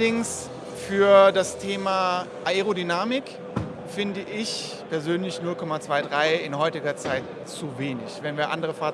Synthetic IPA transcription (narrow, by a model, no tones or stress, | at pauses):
dɪŋs | fyːɐdastʰeːmaʔaeʁodynaːmɪk | fɪndəʔɪç | pɛɐzøːnlɪçnʊlkɔmat͡sv̥aɪdʁaɪɪnɦɔʏtɪɡɐt͡saɪt | t͡suveːnɪ̰çvɛnviːɐʔandəʁəfaː